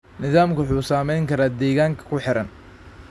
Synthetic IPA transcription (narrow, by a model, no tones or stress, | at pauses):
nɪðaːmkʊħuːsaːmɛjŋkʰɐɾaːd̪ɛːɣaːŋkʰɐ̥kʰʊħɪɾɐn